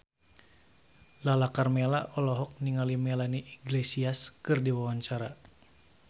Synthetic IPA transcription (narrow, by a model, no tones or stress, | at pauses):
lalakarmelaʔɔlɔɦɔk̚niŋalimɛlaniʔiɡlesiaskɨrdiwawaɲt͡ʃaɾa